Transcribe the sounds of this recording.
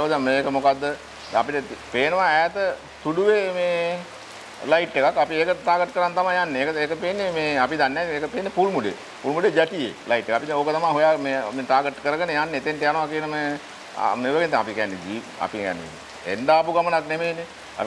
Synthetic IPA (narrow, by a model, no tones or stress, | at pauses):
oːd̪əmeːkəmokad̪ːə | d̪ɛapiʈəpeːnəʋaɛːt̪ə | t̪uɖuʋemeː | laiʈːekakːapieːkəʈ̪aːɡəʈkəɾant̪amajjanːeeːkəeːkəpeːnːemeːapid̪anːɛeːkəpenːepulmuɖḛ | puːlmuɖed͡ʒæʈijḛlaiʈːekapioːkət̪amaɦujameːmeʈaːɡəʈːkəɾəɡənəjanːeet̪enʈ̪ejanoʋakeːnəm̰ | meʋəɡent̪ːŋapikɛɛnːed͡ʒ̪i | a̰pikɛ̰ɛ̰nːḛḭnːḛ | ḛnɖaːpuɡamənaknemeːnḛ